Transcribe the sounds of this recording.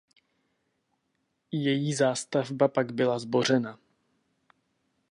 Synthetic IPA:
jɛjiːzaːst̪avbapaɡbɪlazbo̞r̝ɛna

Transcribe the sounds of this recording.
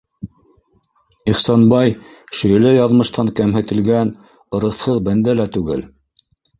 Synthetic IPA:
iχsɑnbɑjʃɵ̆jɘ̆lɘjɑðmɤ̆ʃt̪ɑŋkæmɦɘ̆t̪ɘ̆lɡæn | ɤ̆ɾɤ̆θhɤðbænd̪ælæt̪ʉɡɘ̰l

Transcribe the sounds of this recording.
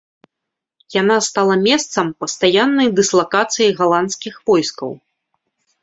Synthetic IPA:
janast̪alˠɐmʲɛst̪sɐmpɐst̪ajanːɐjd̪ɨslˠakat̪sɨjiɣalˠant̪skʲixvɔjskɐ̰w

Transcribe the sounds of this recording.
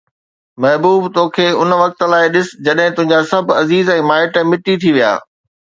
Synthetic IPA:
mɐɦbuːbt̪oːkʰeːʊnʋɐk̚t̪̆laːɪɗɪs̆d͡ʑɐɗɦɪ̃t̪ʊɦɪ̃ɲd͡ʑasɐbʱɐziːzɛ̃ːmaːɪʈmɪʈit̪ʰiʋija̰ː

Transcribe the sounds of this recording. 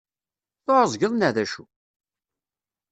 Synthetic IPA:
θoʕəzˤɡəðˤnæðæʃu

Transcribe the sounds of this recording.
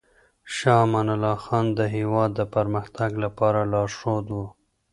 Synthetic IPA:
ʃɑmanalɑxɑnd̪əɦewɑd̪ːəpəɾməxt̪aɡlapɑɾalɑɾʂod̪wu

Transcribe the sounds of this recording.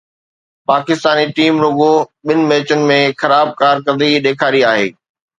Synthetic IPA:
paːkɪst̪aːniʈiːmɾʊɡoɓɪnɪ̆mɛːt͡ɕənɪ̆mẽxɐɾaːb̚kaːɾkɐ̃d̪iɗeːkʰaːɾiaːɦḛː

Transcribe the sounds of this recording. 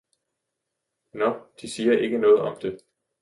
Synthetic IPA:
nɒd̥isiːɐʔe̝ɡ̥ənɔ̽ːð̞̩ˠɒ̽md̥e̝

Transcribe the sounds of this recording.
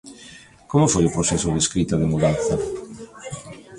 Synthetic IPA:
komofojopɾosɛsʊðeskɾit̪aðɪmuðanθɐ

